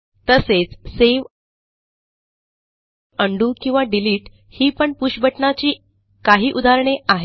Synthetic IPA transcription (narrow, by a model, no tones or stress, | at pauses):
t̪əset͡sseʋ | əɳɖuːkĩw̃ʋaɖiliːʈ | hiːpəɳpuɕbəʈɳat͡ɕiː | kaɦiːʔud̪ʱaɾɳeʔaɦe